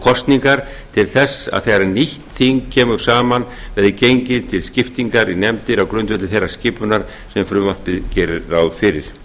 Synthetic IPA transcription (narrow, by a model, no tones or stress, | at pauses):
kʰɔst̪niŋkaɾ̥ | t̪ʰɪlθɛsːa̰ðθejɣɾaniht̪θiŋkcʰɛːmʏɾ̥saːman | vɛðɪcejɲcɪðt̪ʰɪlscɪft̪iŋkaɾinɛmt̪ɪɾawkɾʏnt̪vɛt̪ɪθejrːaɾ̥scɪːpʏnaɾ̥ | sɛmfɾʏvart̪ɪðcɛːɾɪawðfɪɾɪ̰ɾ̥